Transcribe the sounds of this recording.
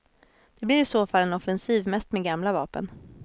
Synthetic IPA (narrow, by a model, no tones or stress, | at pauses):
d̪̥ɛblɪɾɪsoːfalːɛnɔfɛnsiːvmɛst̪meɛɡamlavɑ̰ːpə̰n